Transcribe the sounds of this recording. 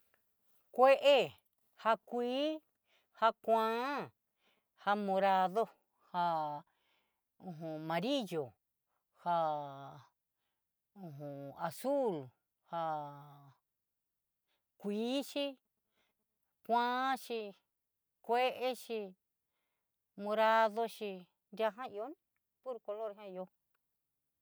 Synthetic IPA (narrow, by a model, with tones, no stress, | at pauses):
kʷe˦ʔe˦ | ha˧kʷiː˦ | ha˧kʷãː˦ | ha˧mõ˧ɾa˧ðo˦ | ha˧ | ũ˧ɦũ˧mã˨˧ɾi˦jo˨ | ha˧ | ũ˧ɦũ˨a˨su˦˨l | ha˧ | kʷiː˨˦ʃi˧ | kʷã˦ʃi˧ | kʷe˦ʔe˦ʃi˧ | mõ˧ɾa˧ðo˧ʃi˧ | nd̪ʲa˧ɦã˦i˧o˦n | pu˦ɾko˧lo˦ɾɦã˦i˧o˧